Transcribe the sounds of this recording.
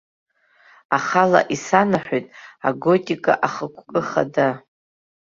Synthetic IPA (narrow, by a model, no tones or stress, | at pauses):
aχala̰ʔisanaħʷojtʼaɡo̞tʼikʼa̰ʔaχəkʷʰʼkʼɨχa̰da